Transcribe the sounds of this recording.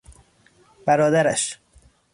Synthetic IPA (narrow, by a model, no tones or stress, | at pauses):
b̥æɾɒːd̪æɾæ̰ʃ